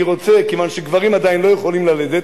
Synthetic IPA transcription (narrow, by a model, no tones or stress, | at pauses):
iʁo̞t͡sekevanʃeɡvaʁimad̪ainlo̞jeχo̞limlaled̪e